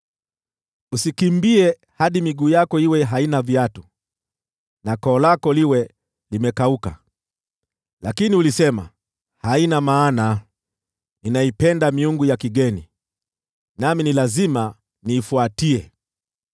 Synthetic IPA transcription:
usikimbiɛ | haɗimiɡuːjakɔiwɛɦainavjatu | nakɔːlakɔliwɛ | limɛkauka̰ | lakiniulisɛma̰ | hainamaːna | ninaipɛndamiuŋɡujakiɠɛni | naminilazima | niːfuatiɛ

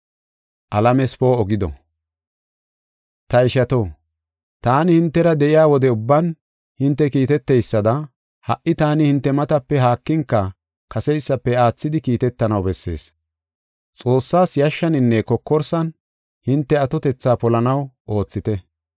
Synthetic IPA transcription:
ʔɐlɐmɛspo̞ːɔɡɪd̪ɔ̰ | t̪ɐɪʃɐt̪o̞ː | t̪aːnɪhɪnt̪ːɛɾɐd̪ɛʔɪjaːwɔd̪ɛʊbːɐn | hɪnt̪ːɛkiːt̪ɛt̪ːɛjsːɐd̪ɐ | hɐʔɪt̪aːnɪhɪnt̪ːɛmɐt̪ɐpːɛɦaːkːɪŋkːɐ | kɐsɛjsːɐpːɛaːt͡sːɪd̪ɪkiːt̪ɛt̪ːɐnɐwbɛsːe̞̰ːs | t͡sʼo̞ːsːaːsjɐʃːɐnɪnːɛkɔkːɔɾsɐn | hɪnt̪ːɛɐt̪ɔt̪ɛt͡sːaːpɔlɐnɐwʔo̞ːt͡sːɪt̪ɛ

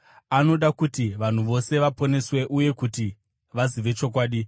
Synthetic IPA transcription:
ano̞ɗakutiʋan̤uʋo̞se̞ʋapo̞ne̞swe̞ʔuje̞kuti | ʋaziʋe̞t͡ʃo̞kwaːɗi

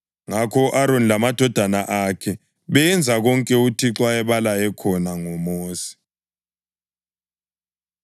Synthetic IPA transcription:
ŋakʰɔʔaɾonilamad̥ʱɔd̥ʱanaʔakʰɛ | βɛnd͡zʱaɣɔŋkʼɛutʰiǁwaɛβalajɛkʰɔnaŋɔmoːsi̥

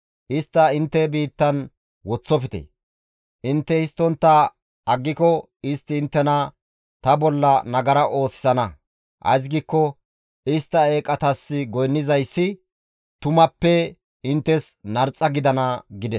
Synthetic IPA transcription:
ʔɪst̪ːɐɪnt̪ːɛbiːt̪ːɐn | wɔt͡sːɔpɪt̪ɛ̰ | ʔɪnt̪ːɛɪst̪ːɔnt̪ːɐ | ɐɡːɪkɔ | ɪst̪ːɪːnt̪ːɛnɐ | t̪ɐbɔlːɐnɐɡɐɾɐʔo̞ːsɪ̥sɐnɐ | hɐ̰js̬ɡiːkːɔ | ɪst̪ːɐe̞ːkʼɐt̪ɐsːɪɡɔjnːɪzɐjsːɪ | t̪ʊmɐpːɛ | ɪnt̪ːɛsnɐɾt͡sʼːɐɡɪd̪ɐnɐɡɪd̪ɛs

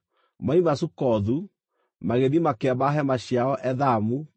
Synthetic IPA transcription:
maimasukɔðu | maɣenimakeabaɦɛmaɕjaɔʔɛðamu

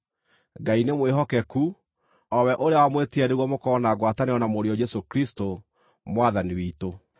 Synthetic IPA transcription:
ɡainemweɦɔkɛku | ɔwɛʔoɾeawamwetiɛɾeɣwɔmokɔːnaɡwataneɔnamoɾiɔd͡ʒɛsokɾisto | mwaðaniwiːto

